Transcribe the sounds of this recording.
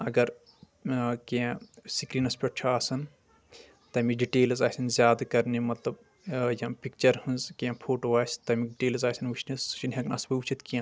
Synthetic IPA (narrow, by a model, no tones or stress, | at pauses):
ɐɡɐɾ | kẽsikɾiːnɐspʲɐʈt͡ʃʰɐaːsɐn | t̪ɐmiɖiʈeːlzaːsɐnzʲjaːd̪kɐɾnemɐt̪lɐb | jɐ̃pik̚t͡ʃɐɾhɨnzkẽːpʰoːʈoːaːsʲt̪ɐmiɖiʈeːlzaːsɐnʋit͡ʃʰnesu̥t͡ʃinɦɐknɐsbɐut͡ʃit̪kiɐ̃